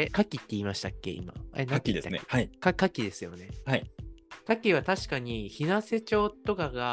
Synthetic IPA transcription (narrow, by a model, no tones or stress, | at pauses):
ekakʲit̪ːe̞iːmaɕi̥t̪akʲːe̞̰ḭma̰ḛnaakʲid̪est̪ːaneaikakakʲid̪e̞sɨjo̞ne̞haikakʲiβat̪aɕi̥kaɲ̟içinase̞t͡ɕo̞ːt̪o̞kaɡa